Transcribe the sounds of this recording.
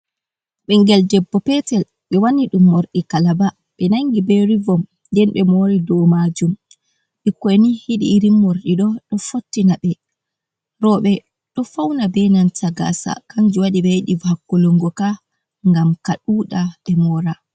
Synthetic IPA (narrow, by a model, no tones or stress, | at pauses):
ɓɛŋɡɛldɛbːɔpɛtɛl | ɓɛwaniɗumːoɾɗikalaba | ɓɛnaŋɡibeɾivɔm | dɛnɓɛmoɾidɔmad͡ʒum | ɓɛkonihiɗḭːɾimːoɾɗiɗɔɗɔfotːinaɓɛ | ɾɔɓɛ | ɗɔfawnabɛnantaɡa̰sa̰kaɲd͡ʒiwaɗiɓɛɗivhakːɔlɔŋɡɔka | ŋɡamkaɗuːɗaɓɛmɔɾa